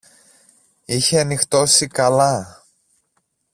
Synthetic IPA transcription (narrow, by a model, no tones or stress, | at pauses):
içe̞ɐnixt̪o̞sikɐlɐ